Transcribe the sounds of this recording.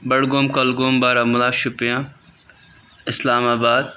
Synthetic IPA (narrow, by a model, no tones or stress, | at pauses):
bɐɽɡoːmkɐlɡoːmbaːɾaːmʊlaːʃʊpjãː | ɪslaːmaːbaːd̪̚